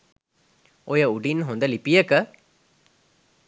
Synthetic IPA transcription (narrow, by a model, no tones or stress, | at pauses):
ojɐuɖinɦond̪ɐlipijɐkɐ